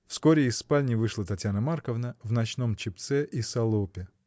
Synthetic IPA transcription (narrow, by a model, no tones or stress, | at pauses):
fskoɾʲɪɪsːpalʲnʲɪvɨʂlˠət̪ɐtʲjanəmarkəvnəvnɐt͡ɕno̞mt͡ɕɪp̚t̪sɛʔisɐlˠopʲɪ